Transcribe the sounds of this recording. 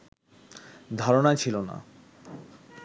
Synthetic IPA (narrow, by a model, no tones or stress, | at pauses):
d̪ʱaɾonat͡ɕʰilona̰